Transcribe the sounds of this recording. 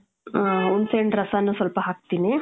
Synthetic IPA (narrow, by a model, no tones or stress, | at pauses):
unseɳɖɾɐsaːnːuːsʋɐlpɐɦaːk̚t̪iːni